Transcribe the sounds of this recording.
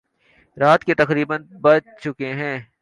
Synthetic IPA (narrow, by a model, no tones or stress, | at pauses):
ɾaːt̪ket̪ɐkɾiːbənbɐt͡ʃt͡ʃʊkeɦɛ̃ː